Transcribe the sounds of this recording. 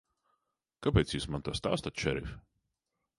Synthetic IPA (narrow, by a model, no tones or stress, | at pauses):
kapʲɛːt̪sʲjismant̪uɔst̪a̰ːst̪at̪ʃɛɾif